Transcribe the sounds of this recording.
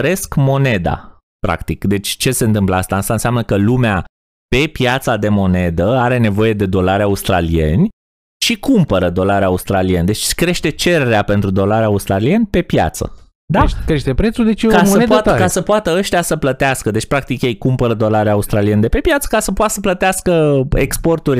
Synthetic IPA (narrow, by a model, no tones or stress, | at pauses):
ɾe̞skmo̞ne̞d̪a̰ | pɾa̰kt̪ikd̪e̞t͡ʃʲt͡ʃe̞se̞ɨnt̪ɨmpləast̪aast̪aɨnseamnəkəlumea | pe̞pjat̪sad̪e̞mo̞ne̞d̪əaɾe̞ne̞vo̞je̞d̪e̞d̪o̞laɾaust̪ɾa̰lije̞̰nʲ | ʃikumpəɾəd̪o̞laɾeaust̪ɾaliend̪e̞t͡ʃʲkɾe̞ʃt̪e̞t͡ʃe̞ɾe̞ɾeape̞nt̪ɾud̪o̞laɾaust̪ɾalie̞nʲpe̞pja̰t̪sə̰ | d̪at͡ʃkɾeʃt̪epɾet̪sud̪et͡ʃikaəpat̪kasəpoat̪əəʃt̪ijasəplət̪easkəd̪e̞t͡ʃʲpɾak̚t̪ikjejkumpəɾəd̪o̞laɾeaust̪ɾalie̞nd̪epe̞pjat̪sə̥kasəpoat̪səplət̪easkəekspo̞rt̪urʲ